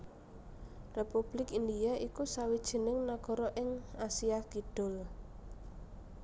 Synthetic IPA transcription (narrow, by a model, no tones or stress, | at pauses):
repub̥lɪkind̪iaʔikusawid̥ʒ̥i̤nɪŋnaɡ̥ɔ̤ɾɔʔɪŋasiaɡ̥id̪̥ʊ̤l